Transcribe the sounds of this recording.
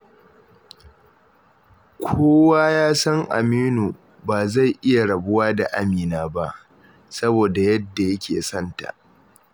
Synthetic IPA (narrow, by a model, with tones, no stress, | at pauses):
kʷʰoː˦waː˦jaː˦sɐ˦ŋʔa̰˨miː˦nu˨ | baː˨za˦˨jʔɪ˦ja˨ɽɐ˨bʊ˦waː˦da̰˨ʔa˦miː˨naː˦ba˦ʔ | sɐ˦boː˨da˨jɐ˦dːa˨jɐ˦kʲḛː˨sɐ˦˨nta̰˨ʔ